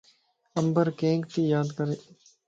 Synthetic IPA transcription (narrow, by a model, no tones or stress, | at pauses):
əmbəɾkẽːŋkt̪iːjaːd̪kəɾeː